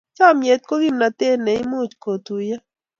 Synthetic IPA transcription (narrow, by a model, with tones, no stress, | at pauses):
t͡ʃa˦mje˨t̪̚ko˦ɡi˦mna˧t̪eː˦ne˨ĩ˦mũːt͡ʃko˨t̪uja˦